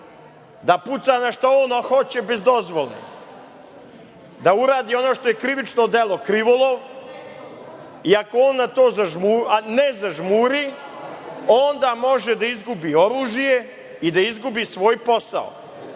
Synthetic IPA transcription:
d̪aput̪sanaʃt̪aoːnoxot͡ɕebe̞zd̪o̞zʋolˠḛ | d̪auɾaːd̪io̞noʃt̪o̞jekɾiʋit͡ʃno̞d̪elˠo̞kɾiʋolˠoʋ | iakooːnːat̪o̞ːzaʒmunezaʒmuɾi | ond̪amo̞ʒed̪aizɡubio̞ɾuːʒije̞ | id̪aizɡubisʋo̞ːjpo̞sa̰o̰

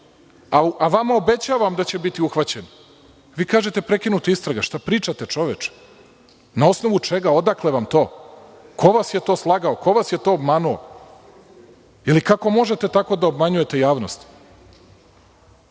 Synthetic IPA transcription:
aaʋamao̞be̞t͡ɕaːʋamd̪at͡ɕe̞bit̪iuxʋat͡ɕen | ʋiːkaːʒe̞t̪e̞pɾe̞kinut̪oist̪ɾaɡaʃt̪apɾiːt͡ʃat̪e̞t͡ʃo̞ʋet͡ʃ | nao̞sno̞ʋut͡ʃe̞ɡao̞d̪akle̞ʋamt̪o̞ːkʰo̞ʋasje̞t̪o̞ːslˠaɡao̞ko̞ʋasje̞t̪o̞ːbmanuo | ilikako̞mo̞ʒet̪e̞t̪ako̞d̪aobmaɲuje̞t̪e̞jaːʋno̞st̪

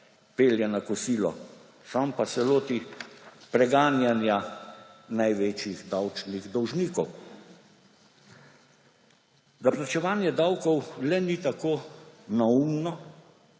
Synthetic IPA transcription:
peːljɛnakɔsiːlɔ̰ | sampasɛloːt̪ipɾɛɡaːnjanja | najʋeːt͡ʃjixd̪awt͡ʃniɣd̪ɔwʒniːkɔw | d̪aplat͡ʃɛʋaːnjɛd̪awkɔwlɛnit̪akoːnaumnɔ

